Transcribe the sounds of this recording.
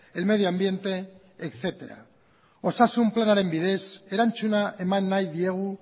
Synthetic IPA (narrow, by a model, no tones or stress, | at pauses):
elme̞ð̞joambje̞nt̪e̞ː | kθe̞t̪e̞ɾa̰ | osasumplanaɾe̞mbið̞e̞seɾanʲt͡ʃunaʔemanːajðie̞ɣ̞u